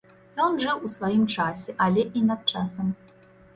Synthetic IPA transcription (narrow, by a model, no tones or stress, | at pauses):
jɔnʐɨwusvajimt͡ʂasʲɛʔɐlʲɛʔinɐt̪̚t͡ʂasɐm